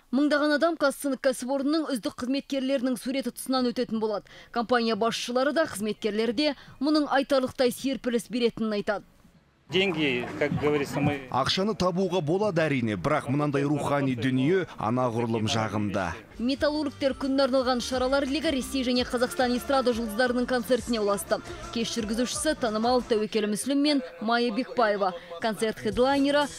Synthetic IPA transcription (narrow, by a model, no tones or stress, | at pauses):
məɴd̪ɑʁɑnɑd̪ɑmkʰɑst̪ənd̪əkʰʲːæsɪpo̞ɾnənːəɴʏzd̪ɪq̚qʰːəzme̞t̪̚kʲe̞ɾle̞ɾɪnɪŋsuɾe̞t̪ɪt̪ʰʊ̥sənɑnwɵt̪e̞t̪ɪnbolˠɑd̪əkʰo̞mpanʲijɑbɑsʃəlˠɑɾəd̪ɑqʰəzme̞t̪̚kʲe̞ɾle̞ɾd̪e̞mʊnəɴɑjt̪ɑɾlˠəq̚t̪ɑjseɾpɪlɪsbe̞ɾe̞t̪ɪnɪnɑjt̪ɑd̪ə | d̪eŋɡʲejkʰɑkɡevɐɾisɑ̰qʃɑnət̪ʰɑbuːʁɑbo̞lˠɑd̪əæɾijne̞bɪɾɑqmʊnɑnd̪ɑjɾuχɑnijd̪ʏnije̞ɑ̰nɑʁʊɾəlˠəmʒɑ̰ʁəmd̪ə̰ | mʲe̞t̪alˠorɡik̚t̪e̞ɾkʲʰʏnːeɑɾnɑlˠʁɑnʃɑɾɑlˠɑɾlʲiɡəɾe̞sːe̞jʒæne̞qʰɑzɑqst̪ɑnist̪ɾad̪ɑʒəlˠd̪əzd̪ɑɾənəɴkʰo̞nt̪se̞rt̪ɪnewlˠɑst̪əkʲʰe̞sʒ̥ʏɾɡʲɪzuʃɪ̥sɪt̪ʰɑnəmɑw̪ˠt̪ʰæwekʲe̞lɪmʏslɪmːe̞nmɑjɑbe̞k̚baje̞vɑkʰo̞nt̪se̞rt̪χed̪lˠajnʲeɾə